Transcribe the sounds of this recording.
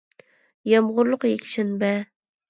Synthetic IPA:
jɑmʁʊɾlˠʊqjekʲʃɪnbæ

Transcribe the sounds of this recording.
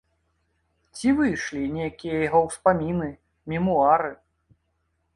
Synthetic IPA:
t͡sʲivɨjʂlʲinʲejakʲijɐjɣɔwspamʲinɨ | mʲimuaɾɨ

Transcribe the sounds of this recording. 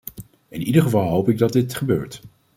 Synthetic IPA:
ɪnidəɹχəvɑlˠɦowpɪɡ̚dɑd̚ɪtχəbøːɹt

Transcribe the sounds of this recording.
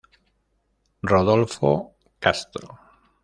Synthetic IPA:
roðolfo̰ | kast̪ɾo

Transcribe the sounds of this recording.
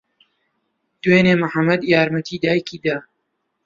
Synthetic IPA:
d̪̥weːneːmɨħɐmɐd̪jaːɾmɐt̪ʰiːd̪aːjkʰiːd̪aː

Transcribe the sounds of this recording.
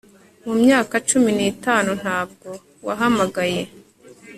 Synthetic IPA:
mumɲaːkat͡ʃuminiːtaːnun̥haːb̚ɡo̞ | waɦamaɡaje̞

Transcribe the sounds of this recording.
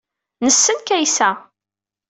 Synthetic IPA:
nəsːənkæjsæ

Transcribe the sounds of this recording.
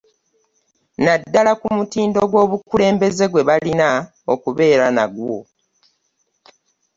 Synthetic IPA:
nadːalakumutiːndo̞ɡwo̞ːβukule̞ːmbe̞ze̞ɡwe̞βalina | okuβe̞ːɾana̰ɡwo̞̰

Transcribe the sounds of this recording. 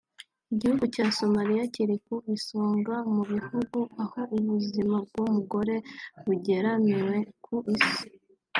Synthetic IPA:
iɟihuɡucaːso̞maɾijaciɾikuisoːŋɡamuβihuɡuaho̞ʔuβuzimab̚ɡomuɡo̞ɾe̞βuɟe̞ɾaniwe̞kʰuʔisi̥

